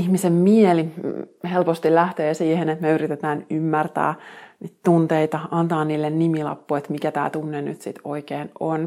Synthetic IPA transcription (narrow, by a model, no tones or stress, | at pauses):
ihmisemmielihelpost̪ilæht̪eːsiːhenet̪meyɾit̪et̪æːnymːært̪æ̰ːniːt̪t̪unt̪eit̪ɑɑnt̪ɑːnniːlːennimilɑ̰pːuet̪mikæt̪æ̰ːt̪unːeny̰t̪sit̪oikeːnon